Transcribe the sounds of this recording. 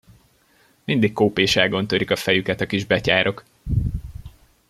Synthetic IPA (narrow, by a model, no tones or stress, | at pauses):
mind̪ikkːoːpeːʃɛlɡo̞nt̪øɾikɒfɛjykɛt̪ɒkiʒbɛcaːɾʔo̞k